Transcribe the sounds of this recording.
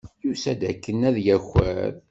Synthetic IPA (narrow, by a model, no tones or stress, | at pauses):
jusæd̪ækːənæðjæxə̰ɾ